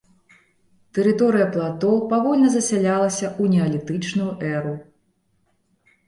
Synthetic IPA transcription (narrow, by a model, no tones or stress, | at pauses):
t̪ɛɾɨt̪ɔɾɨjɐplˠat̪ɔwpavɔlʲnɐzɐsʲalʲalˠɐsʲɐʔunʲɛɐlʲit̪ɨt͡ʂnujuʔɛɾu